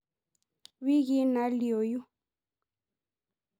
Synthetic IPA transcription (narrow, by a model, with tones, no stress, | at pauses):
wi˦ɣi˦na˨˦li˨o˨ju˦